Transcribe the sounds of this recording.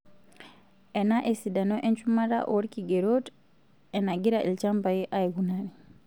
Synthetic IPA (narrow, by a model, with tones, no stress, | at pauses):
ɛ˨na˦ʔe˨si˨da˨nɔ˦ʔɛ˦ɲt͡ʃuma˦ɾa̰˦ʔo˨ɾikiɡe˨ɾot | ɛ˨na˨ɡi˦ɾa˨ʔi˨lt͡ʃa˦mba˨ji˦ʔa˦eɡunaɾi˨